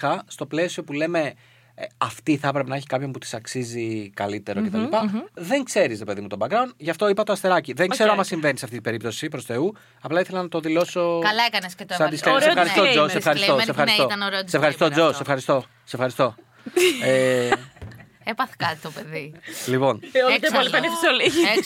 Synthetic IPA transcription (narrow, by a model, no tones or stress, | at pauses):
ɐst̪o̞ple̞sio̞pule̞me̞ | ɐft̪iθɐpɾepenɐeçi̥kɐpço̞mput̪i̥sɐksizikɐlit̪e̞ɾocet̪ɐlipɐðe̞ŋkse̞ɾisɾepe̞ðimut̪o̞bɐkɾɐund̪ʝɐft̪o̞ipɐt̪oɐst̪e̞ɾɐciðe̞ŋkkse̞ɾoɐmɐsiɱve̞nisɐft̪it̪ibe̞ɾipt̪o̞sipɾo̞se̞u | ɐplɐiθe̞lɐnɐt̪o̞ðilo̞so̞kɐlɐekɐnescet̪ssɐd̪iseɾefxɐɾist̪oosefxɐɾit̪osefxɐɾstoɐnoɾeosefxɐɾist̪od͡zo̞sefxɐɾist̪o̞ | sefxɐɾist̪o̞ | e | epɐθkɐt̪t̪opeðilipo̞not̪epolipɐnifisliʝi